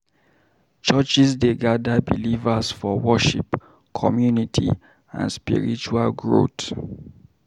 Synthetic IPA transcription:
t͡ʃət͡ʃisdeɡadabilivasfɔwɔʃḭp | kʰɔmjunitʰḭ | ã̰nspḭɹḭt͡ʃualɡɹo̰t

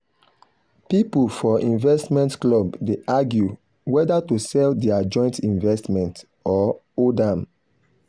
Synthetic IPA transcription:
pipulfɔʔĩnvɛstmɛ̃ntklɔbdeʔaɡju | wɛdatusɛldiad͡ʒɔ̃ɪ̃ntĩnvɛstmɛ̃nt | ɔ | odãm

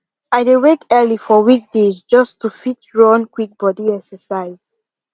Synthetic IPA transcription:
ajdewekɛlifɔwik̚d̥ezd͡ʒʌstʰufitɹɔ̃nkwik̚b̥ɔdiɛksəsaɪz̥

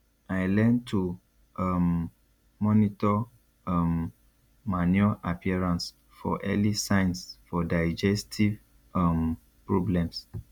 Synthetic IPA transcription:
ajlɛ̃ntʰu | am | mɔnitɔ | mː | anɔʔapʰiɛɹãns | fɔ̰ʔɛlisãjnsfɔdajd͡ʒɛstʰiv | am | pɹɔblɛ̃ms

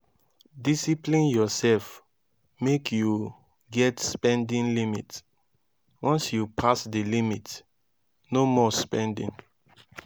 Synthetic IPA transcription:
disiplĩnjɔsɛlf | mekʰju | ɡɛtspɛ̃ndĩnlimḭts | wɔ̃nsjupʰasdilimit | nomɔspɛ̃ndḭ̃n

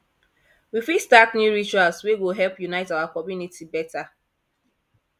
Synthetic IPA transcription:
wifistaknjuɹit͡ʃualsweɡoɦɛlpjunaɪtaʊwakɔmjunitibɛta

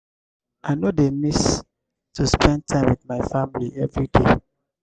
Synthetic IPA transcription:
ʔaɪnodemis | tʰuspɛ̃nd̚tʰãɪ̃mwidmaɪfãmliɛvɹide

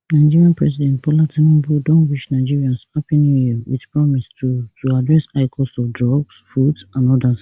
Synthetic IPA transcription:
naɪd͡ʒiɹiãnpɹɛsidɛ̃nt̚pɔlatʰinɔ̃budõnwiʃnaɪd͡ʒiɹiãnsapĩnewḭðpɹɔmistʰutʰuadɹɛsaɪkʰɔsɔfdɹɔɡsfudsãnɔdas

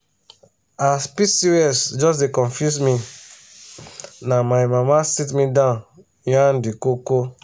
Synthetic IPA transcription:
aspisiɛsd͡ʒɔs̬dekɔ̃nfjusmi | namajmamasitmidãʊn | jãndikoko

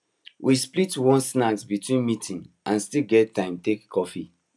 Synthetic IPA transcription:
wʔisplitwɔ̃nsnaɡsbitwĩnmitʰĩn | ãnstiɡɛttːãɪ̃mtekkʰɔfi

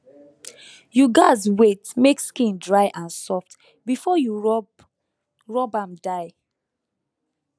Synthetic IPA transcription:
juɡaɪzwetmekskĩndɹaɪʔãnsɔft | bifɔju | ɹɔbãmdaɪ

